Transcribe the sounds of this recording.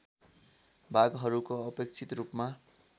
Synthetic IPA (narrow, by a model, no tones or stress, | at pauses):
bʱaɡɦʌɾukoʌpek̚t͡sʰit̪rupma